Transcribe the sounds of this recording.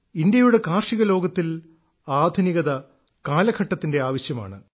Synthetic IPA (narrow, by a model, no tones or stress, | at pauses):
indjɐjuɽe̞kaːrʂiɣɐlo̞ːɡɐt̪ːil | aːd̪ʱuniɣɐðɐ | kaːlɐkʰɐʈːɐt̪ːinde̞aːʋɐɕjɐma̰ːɳɨ